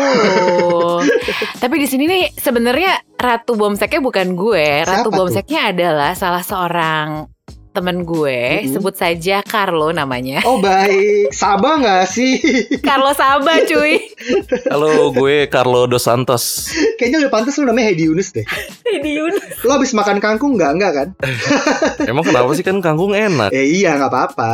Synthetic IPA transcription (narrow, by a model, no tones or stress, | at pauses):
t̪ap̬idisininisəbənərɲarat̪ubɔmsɛk̚ɲabukanɡueɾat̪ubɔmsɛk̚ɲaːdalahsalahsəoɾaŋ | t̪əmənɡuesəbʊt̪̚sad͡ʒakarlonama̰ɲaɔhbaɪksabaŋasɪkarlosabat͡ʃui | aloɡuɛkarlodosant̪ɔskajaɲaudɛpant̪ɔslonamaɲahadiunɪsdɛh | hadiunloabɪsmakankaŋkʊŋɡaʔŋɡakan | memaŋkənapasɪhkankaŋkʊŋena̰kaijaŋapaːpa